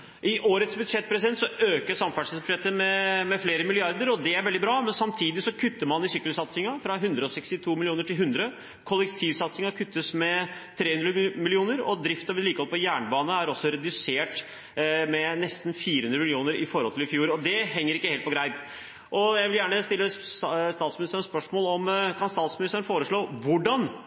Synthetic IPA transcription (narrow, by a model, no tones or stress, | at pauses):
ʔɪʔoːɾət̪sbʉd̪ʂɛt̪̚ːpʰɾɛsɪd̪ɛnt̪sɔøːkəʂɑmfæʂəsbʉʂɛt̪ːəmɛmɛfleːɾəmɪlɪɑɾd̪əɾɔd̪ɛæɾʋɛld̪ɪbɾɑːmɛnsɑmt̪ʰiːd̪ɪsɔkʰʉt̪ːəɾmɑnɪsʏkːəlsɑt̪sɪŋɑfɾɑɦʉnd̪ɾəɔsɛkst̪ɪt̪ʰuːmɪlɪuːnəʈɪlɦʉnd̪ɾə | kʰɔlːɛkt̪ʰiːʋsɑt̪sɪŋɑkʰʉt̪ːəsmɛt̪ʰɾeːʉnd̪ɾəmɪlɪuːnəɾɔ̰d̪ɾɪft̪ɑʋɪliːkəhɔlˠpʰɔjæːɳəbɑːnəæɾɔsːɔɾɛd̪ʉseːʈ | mɛnɛst̪n̩fiːɾəhʉnd̪ɾəmɪlɪuːnəɾɪfɔɾɔlt̪ʰɪlɪfjuːɾɔd̪ɛɦɛŋːəɾɪkːəheːlt̪pʰɔɡɾæɪp̪ | ʔɔjæɪʋɪljæːɳəst̪ɪlːəst̪ɑːt̪smɪnɪst̪ənɛnspœʂmoːlɔmkʰɑnst̪ɑːt̪smɪnɪst̪ənfoːɾəʂɭoːʋʊɖɑn